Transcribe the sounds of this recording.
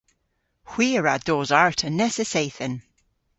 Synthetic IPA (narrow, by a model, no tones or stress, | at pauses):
hw̥iːɹad̪oːzaɹtʰənɛsəsejθən